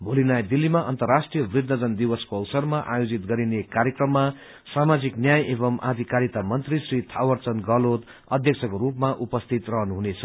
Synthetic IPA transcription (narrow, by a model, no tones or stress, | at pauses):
bʱolinajd̪ilːimaʔʌ̰nt̪ʌrːasʈrijʌbrid̪ʱːʌd͡zʌnd̪iwʌskoʌwsʌrmaʔajod͡zit̪̚ɡʌɾinekaɾjekrʌmːa | samad͡ziknjajeβʌmʔa̰d̪ʱikaɾit̪amʌnt̪risrit̪ʰawʌrt͡sʌnɡʌlot̪ | ʌd̪ʱjʌk̚t͡sʰʌkoɾupmaʔupʌst̪ʰit̪rʌɦʌnuɦunet͡sʰʌ